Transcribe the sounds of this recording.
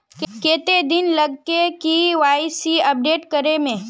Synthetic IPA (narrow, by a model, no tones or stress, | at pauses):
keːt̪ed̪ɪnlɐɡkekiʋaːɪsiɐp̚ɖeːʈkəɾemẽː